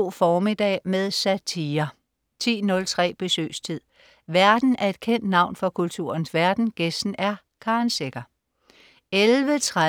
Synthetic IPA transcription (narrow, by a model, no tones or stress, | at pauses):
fɒːmid̥ɛ̰ːmeðˠsæt͡sʰiːɐ | t͡sʰḭːnɔ̽lt͡sʰʁɛ̰ːb̥e̝sø̰ːst͡sʰið̰ˠ | ʋæɐd̥n̩æɐe̝d̥̚kʰen̰d̥nɑ̈ʊ̰nfɒ̽kʰult͡sʰṵɐnsʋæɐd̥n̩ɡ̥esd̥n̩æɐ | kʰɑ̈nseɡ̥ɐ | elʋət͡sʰʁa